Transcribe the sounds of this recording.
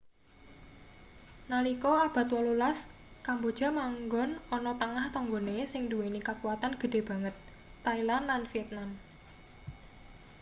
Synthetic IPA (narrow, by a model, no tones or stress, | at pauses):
nalikɔab̥a̤t̪wɔlulas | kambod̥ʒ̥a̤maŋɡɔnɔnɔt̪əŋaht̪ɔŋɡonesɪŋduwenikakuwat̪anɡ̥ə̤ɖ̥e̤b̥a̤ŋət̪ː | ailanlanfiɛt̪̚nan